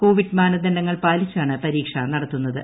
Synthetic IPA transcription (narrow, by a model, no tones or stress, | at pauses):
ko̞ːʋiɖmaːnɐd̪ɐnɖɐŋːɐɭpaːlit͡ɕːaːɳɨpɐɾiːkʂɐnɐɽɐt̪ːunːɐðɨ̰